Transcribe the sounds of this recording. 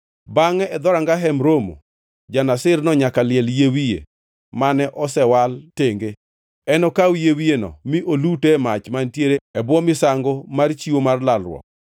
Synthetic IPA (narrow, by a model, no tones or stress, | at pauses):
baŋɛɛd̪ɔɾaŋɡaɦɛmɾomo̰ | d͡ʒanasɪrnɔɲakalɪɛljewijḛ | manɛʔɔsɛwalteŋɡe | ɛnɔkawijewienɔ̰miʔolutemat͡ʃmantjeɾeɛbwɔmɪsaŋɡomart͡ʃiwomarlalrwɔ̰k̚